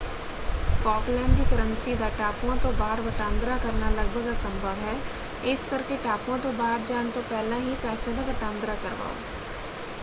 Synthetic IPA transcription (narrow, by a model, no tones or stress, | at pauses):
fɔːklɛ̃ːɳɖkikɐɾə̃nsid̪aʈaːpõt̪obaːɾbɐʈãːnd̪ɾakɐɾnalɐɡ̚bʱəɡasɐ̃mbʱəʋɦɛː | ɪskɐɾkeʈaːpõt̪obaːɾd͡ʒaːnt̪opɛːlãɦipɛːselabɐʈãːnd̪ɾakɐɾba̰ːo̰